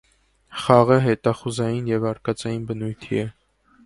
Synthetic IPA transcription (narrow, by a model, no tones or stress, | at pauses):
χɑʁəɦɛt̪ɑχuzɑjinjɛvɑɾkɑt͡sɑjinbənujt̪ʰḭɛ